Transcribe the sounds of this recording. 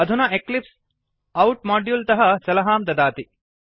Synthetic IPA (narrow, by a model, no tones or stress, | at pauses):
ɐd̪ʱunɐeklips | ɐwʈ̚maːɖjult̪ɐɦɐsɐlɐɦaːmd̪ɐd̪aːt̪i